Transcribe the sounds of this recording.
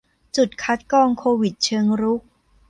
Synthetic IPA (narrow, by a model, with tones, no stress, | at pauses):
t͡ɕu˨˩t̪̚kʰa˦˥t̪̚kɔː˧ŋkʰoː˧wi˨˩t̪̚t͡ɕʰɤː˧ŋɾu˦˥k̚